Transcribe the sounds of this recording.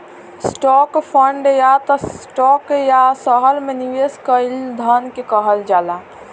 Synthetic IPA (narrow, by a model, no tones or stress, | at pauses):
sʈɔkpʰəɳɖjat̪ɔʈɔːkjasəɦəɾmẽniʋeskəɪld̪ʱənkekəɦəld͡ʒaːla